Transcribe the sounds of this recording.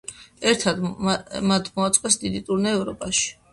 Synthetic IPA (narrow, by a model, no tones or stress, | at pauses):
ɛɾt̪ʰad̪mat̪ʰmɔat̪sʼqʼɛsd̪id̪it̪ʼuɾnɛːvɾɔpʼaʃi̥